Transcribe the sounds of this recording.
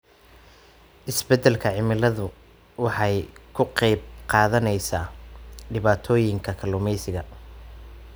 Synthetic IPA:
ʔɪsbɛd̪ɛlkʰɐʕɪmɪlɐðʊ | wɑħɑjkʰʊqɛjb̚qɑːðɐnɛjsaːɖɪβaːt̪ʰɔːjɪŋkʰɐkʰɐlʊmɛjsɪɣɐ

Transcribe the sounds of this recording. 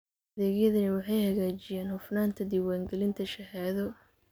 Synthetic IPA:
ɐðɛːɣjɐðɐnɐwɑħɑjhɐɣaːt͡ʃɪjaːnhʊfnaːnt̪ʰɐd̪ɪwaːŋɡɛlɪnt̪ʰɐʃɐɦaːðɔ

